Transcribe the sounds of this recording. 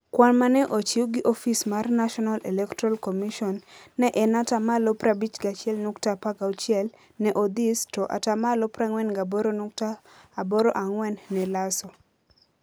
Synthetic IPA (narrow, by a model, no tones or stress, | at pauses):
kwanmanɛʔot͡ʃiwɡɪʔofismarnaʃɔnalɛlɛktɾalkomiʃɔnːɛʔɛnatamalopɾabit͡ʃɡat͡ʃɪɛlnuktapaɡaot͡ʃjɛl | nɛʔod̪istoʔa̰tamalopɾaŋwɛnɡabɔɾonuk̚taː | bɔɾoʔaŋwɛnːɛlasɔ